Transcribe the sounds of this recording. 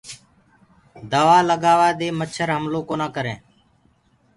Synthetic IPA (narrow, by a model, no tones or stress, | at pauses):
d̪əʋaːləɡaːʋaːd̪eːmət͡ʃʰəɾɦəmlõːkoːnãːkəɾẽː